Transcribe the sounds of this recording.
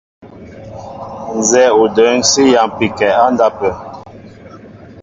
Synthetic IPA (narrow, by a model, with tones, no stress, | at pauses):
n˨zɛ˦u˨də˨˦ŋsi˦ja˨mpi˨kɛ˨a˦nda˦pɛ˨